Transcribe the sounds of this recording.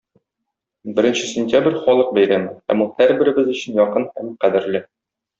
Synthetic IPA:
bɘ̆ɾɘ̆nɕɘ̥sʲɪnʲt̪ʲjabrʲχɒlˠɤq̚bæjɾæmɘnhæ̰mulˠhæɾbɘ̆ɾɘ̆bɘzɵ̆ɕɘ̆njɒqɤnhæmqæd̪ɘ̆ɾlɘ

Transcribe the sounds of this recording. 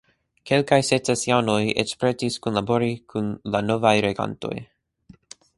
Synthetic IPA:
ke̞lkajset͡sesjanojḛkspɾetiskunlabo̞ɾikʰunlano̞vajɾeɡa̰nto̞̰j

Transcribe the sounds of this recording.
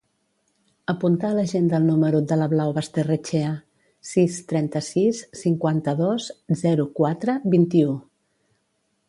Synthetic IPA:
əpunt̪aələʒend̪əlˠnuməɾud̪ələβlawβəst̪erət͡ʃeə | sist̪ɾɛnt̪əsisːiŋkwant̪əðoszɛɾukwat̪ɾəβint̪iu

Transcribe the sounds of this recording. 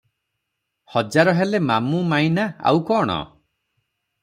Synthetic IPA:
hɔd͡ʒaɾɔɦelemamumajnaa̰wkɔːɽ̃ɔ̰

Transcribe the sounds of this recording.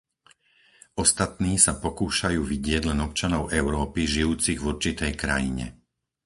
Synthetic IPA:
ʔɔst̪at̪niːsapɔkuːʃajuːʋiɟɪɛɟlɛnɔp̚t͡ʃanɔʊʔɛʊɾɔːpiʒijuːt͡siɣvuɾt͡ʃit̪ɛjkɾa̰jḭɲɛ̰

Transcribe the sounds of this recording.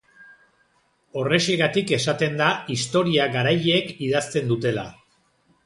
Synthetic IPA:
o̞re̞ʃiɣat̪ike̞sat̪e̞nd̪aist̪o̞ɾiaɣaɾajekiðast̪e̞nd̪ut̪e̞la̰

